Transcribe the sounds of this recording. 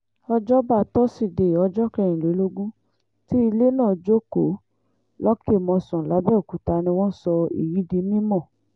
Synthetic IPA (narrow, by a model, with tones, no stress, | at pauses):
ɔ˧d͡ʒɔ˦ba˦˧tɔ˦si˦˨de˨ɔ˧d͡ʒɔ˦kɛ˧˨j̃ĩ˨lo˨˦lo˦ɡũ˦ | ti˦i˧le˦nãː˦˨d͡ʒo˦ko˨˦ | lɔ˦ke˦˨mɔ̃˧sɔ̃˨la˨˦bɛ˦o˨ku˨˦ta˧nĩ˧w̃ɔ̃˦sɔ˧ḭ˨ji˨˦dĩ˧˦mĩ˦mɔ̃˦˨